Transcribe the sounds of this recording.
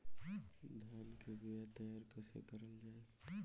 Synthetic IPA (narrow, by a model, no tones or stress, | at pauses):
d̪ʱaːnkeɡujat̪əjaːɾkəsḛkəɾəld͡ʒaːe